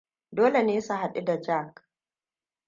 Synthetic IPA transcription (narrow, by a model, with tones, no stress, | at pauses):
doː˦le˨neː˦su˨ɦa˨ɗi˦da˨d͡ʒa˦˨k